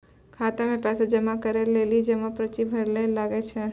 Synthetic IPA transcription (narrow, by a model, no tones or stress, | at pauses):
kʰat̪emẽpɛsad͡ʒəmakəɾelelid͡ʒemapɾət͡ʃibʱəɾlelaɡet͡ʃʰɛ